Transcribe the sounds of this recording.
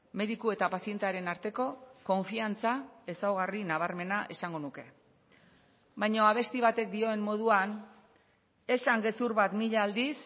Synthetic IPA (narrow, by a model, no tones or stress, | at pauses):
me̞ðikue̞t̪apasie̞nt̪eaɾe̞naɾt̪e̞ko̞ko̞ɱfiant͡sae̞sawɣarinaβ̞aɾme̞naʔe̞saŋɡo̞nuke̞ | bajɲo̞aβ̞e̞st̪iβ̞at̪e̞k̚d̪io̞e̞mːo̞ð̞uan | e̞saŋɡe̞suɾβat̪miʎaːld̪is